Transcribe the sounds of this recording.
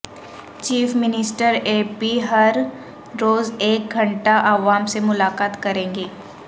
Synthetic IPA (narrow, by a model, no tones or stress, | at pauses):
t͡ʃiːfmɪnɪsʈəɾeːpiɦɐɾ | ɾoːzeːk̚ɡʱɐ̃ɳʈaʔɐʋaːmsemʊlaːkaːt̪kɐɾẽːŋɡeː